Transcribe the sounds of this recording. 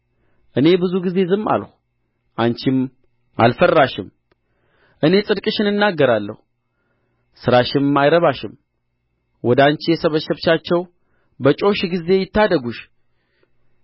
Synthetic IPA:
ʔɨne̞bɨzuɡize̞zɨmːa̰lhʷu | ʔant͡ʃɪm | ʔa̰lfərːaʃɪm | ʔɨne̞sʼɨd̪kʼɨʃɨnɨnːaɡːəɾalːə̰hu | sɨɾaʃɪnmːajɾəβaʃɪm | wɔd̪ant͡ʃijɛsəβəʃɛβt͡ʃat͡ʃːɛw | bət͡ʃʼo̞ʃɡize̞jɪt̪ːad̪əɡuʃ

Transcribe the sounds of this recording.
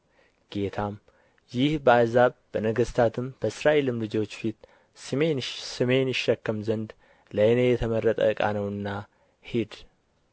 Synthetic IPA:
ɡ̥e̞t̪ʰam | jɪhbəazaβb̥ənəɡəst̪ʰat̪ʰɨmb̥əsɾaʔelɨmlɨd͡ʒo̞t͡ʃːfit̪ | ɨesɨme̞nɨʃːəkːəmzənd̪ | ləjnejɛt̪ʰəmərːət̪ʼə̰ɨkʼa̰nəwɨnːa | hid̪

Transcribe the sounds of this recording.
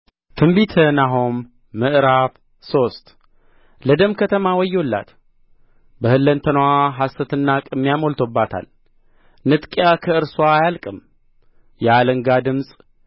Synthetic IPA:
t̪ʰɨmbit̪ʰənaɦomː | ɨʔɾaf | so̞st̪ | ləd̪əmkʰət̪ʰəmawɔjːolːa̰t̪ | bəhɨlːənt̪ʰənwaɦasət̪ʰɨnːakʼɨmːijamolt̪ʰobːat̪ʰa̰l | nɨt̪ʼkʼjakʰəɨɾswaːjalkʼɨm | jɛaləŋɡad̪ɨmsʼ

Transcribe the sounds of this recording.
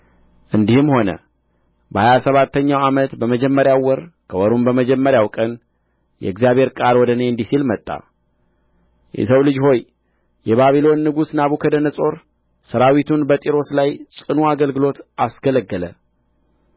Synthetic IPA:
ʔɨnd̪ihɨmho̞nə̰ | bəhajasəβat̪ʰːəɲːawamət̪bəməd͡ʒɛmːəɾjawːɔɾkʰəwɔɾumbəməd͡ʒɛmːəɾjawkʼən | jɛ̰ɨɡzijaβe̞ɾkʼaɾwɔd̪əneɨnd̪isilmət̪ʼːa̰ | jɛ̰səwlɨd͡ʒho̞j | jɛβaβilo̞nːɨɡusnaβukʰəd̪ənəsʼo̞ɾ | səɾawit̪ʰunbət̪ʼiɾo̞slajsʼɨnuaɡəlɡɨlo̞t̪ʔasɡələɡːələ̰

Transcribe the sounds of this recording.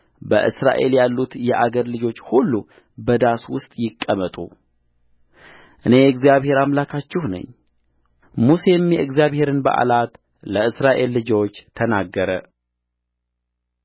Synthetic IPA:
bə̰ʔɨsɾa̰ʔe̞̰ljalːut̪jɛʔaɡəɾlɨd͡ʒo̞t͡ʃːhulːu | bəd̪aswʊst̪ʼjɪkʼːəmət̪ʼṵ | ʔɨne̞ɨɡzijaβhe̞ɾamlakʰat͡ʃːɪhnə̰ɲː | muse̞mjɛʔɨɡzijaβhe̞ɾɨnbə̰ʔa̰lat̪ | ləɨsɾaʔe̞lːɨd͡ʒo̞t͡ʃːt̪ʰənaɡːəɾə

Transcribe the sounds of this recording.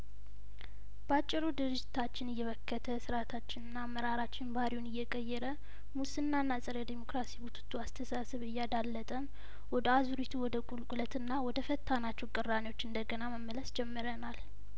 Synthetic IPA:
b̥əat͡ʃʼːɪɾud̪ɨɾɨd͡ʒːɪt̪ʰat͡ʃːɪnɨjːɛβəkʰːət̪ʰəsɨɾat̪ʰat͡ʃːɪnɨnːaːmːəɾaɾat͡ʃːɪnbəhaɾiwunɨjːɛkʼəjːɛɾə | musɨnːanːasʼɨɾəd̪imo̞kɾasiwut̪ʰu̥t̪ʰːuast̪ʰəsasɨβɨjːad̪alːət̪ʼəm | wɔd̪əazuɾit̪ʰuwɔd̪əkʼulkʼulət̪ɨnːawɔd̪əfət̪ʰːanat͡ʃːɛwkʼɨrːanewo̞t͡ʃːɨnd̪əɡənaməmːələsd͡ʒɛmːɨɾənal

